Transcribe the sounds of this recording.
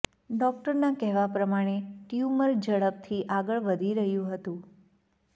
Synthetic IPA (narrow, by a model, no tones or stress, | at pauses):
ɖɔk̚ʈəɾnakɛɦʋapɾəmaɽ̃eʈjuməɾd͡ʒəɭəp̚t̪ʰiʔaɡəɭʋəd̪ʱiɾəɦjũɦət̪ũ